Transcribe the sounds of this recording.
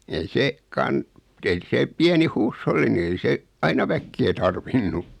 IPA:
ei seː kɑn ei seː piæni huːsholːi ni ei se ɑinɑ ʋækːeː tɑrʋinːu

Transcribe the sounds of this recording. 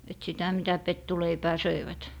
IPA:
et sitæ mitæ petːuleipæː søiʋæt

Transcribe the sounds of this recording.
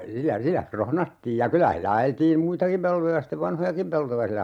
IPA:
silːæ silːæ krohnɑtːiːj jɑ kylæ hilːæ ɑjeltiːm muitɑkim peltojɑ steʋ ʋɑnhojɑkim peltojɑ silːæ

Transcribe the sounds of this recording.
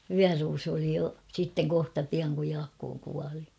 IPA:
ʋyæruːsu oli jo sitːeŋ kohtɑ piɑŋ kuj jɑːkːoː kuɑli

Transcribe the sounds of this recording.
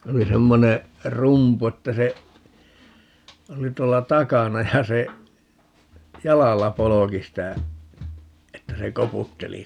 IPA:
se oli semːone rumpu etːæ se oli tuolːɑ tɑkɑnɑ jɑ se jɑlɑlːɑ poloki sitæ etːæ se koputːeli

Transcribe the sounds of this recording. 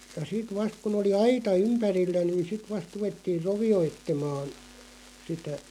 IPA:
jɑ sit ʋɑst kun oli ɑitɑ ympærilːæ nin̞ sit ʋɑst ruʋetːiːr̆ roʋioitːemɑːn̞ sitæ

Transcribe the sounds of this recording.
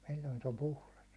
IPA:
silʲːoin se om puhlɑs

